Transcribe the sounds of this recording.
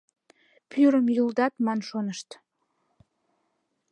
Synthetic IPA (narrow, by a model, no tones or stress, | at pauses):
pʰyɾəmjuld̪ɑt̪mɑnʃonəʃt̪